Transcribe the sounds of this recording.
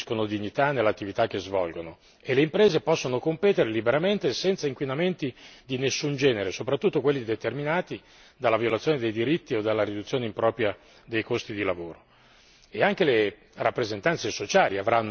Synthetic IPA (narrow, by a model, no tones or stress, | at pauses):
skonod̪iɲːit̪anːelːat̪ːivit̪ak̟ːezvɔlɡono | elːeimpɾeːzepɔsːonokompeːt̪eɾelibeɾament̪esɛnt̪saiŋkwinament̪id̪inesːund͡ʒɛːneɾesopɾat̪ːut̪ːokwelːid̪et̪erminaːt̪i | d̪alːavjolat̪sjoːned̪ejd̪iɾit̪ːiod̪alːaɾid̪ut̪sːjoːneimpɾɔːpɾja | d̪ejkost̪id̪ilavoːɾo | eaŋk̟ele | rapːɾezent̪ant̪sesot͡ʃaːliavɾanː